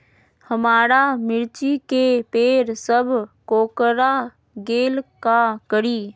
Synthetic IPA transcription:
həmaːɾamɪɾt͡ʃikepeːɾsəbʱkoːkɾa | ɡeːlkakəɾiː

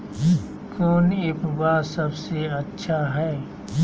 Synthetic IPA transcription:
kɔːnɪpbasɐbseɐtːʃʰaɦɛː

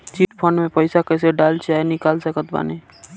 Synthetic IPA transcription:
t͡ʃiʈpʰəɳmepəɪsakəjseɖalt͡ʃʰaenikalsəkət̪ba̰ne

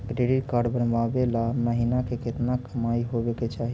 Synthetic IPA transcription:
ɡɾeɽiʈkaɾɖbənbabelaməɦinakeket̪nakəmajɦobeket͡ʃaɦi

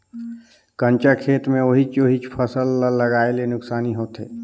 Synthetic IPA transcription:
kə̃nt͡ʃakʰeːt̪mẽoɦit͡ʃoɦit͡ʃpʰəsəlːəɡaːelenʊksaːniɦoːt̪ɦḛː

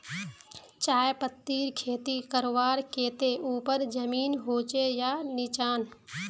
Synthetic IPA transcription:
t͡ʃaːjpət̪ːiːɾkʰeːt̪ikəɾʋaːɾkeːt̪eʔuːpəɾd͡ʒəmiːnɦoːt͡ʃejaːnɪt͡ʃaːn

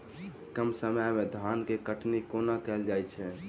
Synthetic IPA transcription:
kəmsəməjmed̪ʱankekəʈnikonakɛld͡ʒajt͡ʃʰɛ

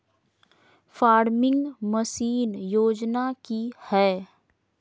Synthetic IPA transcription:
faːɾmɪ̃ŋɡməsiːnjoːd͡ʒnakihɛː

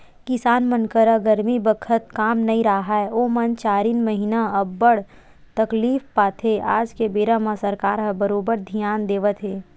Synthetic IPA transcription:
kɪsaːnmənkəɾaɡɐɾmibəkʰət̪̚kaːmnɐɦĩɾaɦaɛoːmɐnt͡ʃaːɾiːnməɦinaɐbːəɽ | t̪ɐkliːfpaːt̪ʰɦeʔaːd͡ʒkebeːɾãmãsɐɾkaːɾɦəbəɾoːbəɾd̪ʱijaːnd̪eːʋət̪ɦeː

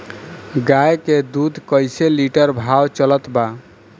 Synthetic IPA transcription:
ɡajked̪ud̪ʱkəjseliʈəɾbʱawt͡ʃələt̪ba

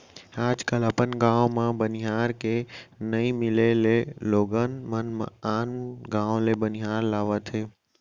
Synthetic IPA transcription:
aːd͡ʒkələpənɡãːõmãbənɪɦaːɾkenəĩmɪleleloːɡənmənmã̰aːnɡãːõlebənɪɦaːɾlaːʋət̪ɦeː

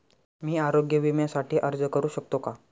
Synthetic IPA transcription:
miːaɾoɡjəʋimjasaʈʰiːʔəɾd͡zəkəɾuːɕək̚t̪oka

